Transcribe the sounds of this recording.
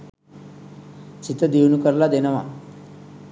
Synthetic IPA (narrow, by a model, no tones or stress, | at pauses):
t͡ʃit̪ɐd̪iʋnukɐɾlad̪enɐma̰